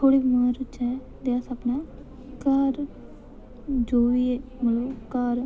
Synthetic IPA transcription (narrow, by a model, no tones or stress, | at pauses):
t̪ʰoːɽiːbmaːɾt͡ʃɛ | d̪easabna | kaɾ | d͡ʒoːʋieməloːkaɾ